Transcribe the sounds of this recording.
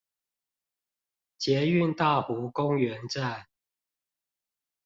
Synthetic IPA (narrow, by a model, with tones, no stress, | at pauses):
t͡ɕjɛ˨˦y˥˨nt̪a˥˨xu˨˥kʊ˦ŋɥɛ˨˦nʈ͡ʂa˥˨n